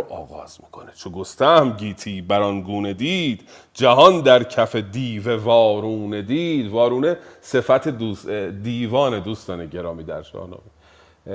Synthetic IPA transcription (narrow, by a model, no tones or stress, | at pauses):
ʔɒ̰ːɣɒ̰ːz̥mi̥kʰo̞net͡ʃʰoɡost̪æhmɟiːt̪ʰiːbæɾɒnɡuːne̞d̪iːd̪̥ | d͡ʒæhɒnd̪æɾcʰæfed̪iːvevɒːɾuːned̪iːd̪vɒːɾuːne̞se̞fæt̪ʰed̪uːd̪iːvɒːned̪uːst̪ɒːneɟe̞ɾɒːmiːd̪æ̰ɾʃɒ̰ːhnɒ̰ːme